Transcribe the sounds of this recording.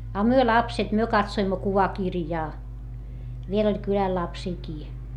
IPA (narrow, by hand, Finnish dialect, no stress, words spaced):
ɑ myø lɑpset myø kɑtsoimːo kuʋɑkirjɑː ʋiel olʲ kylæl lɑpsiːkiː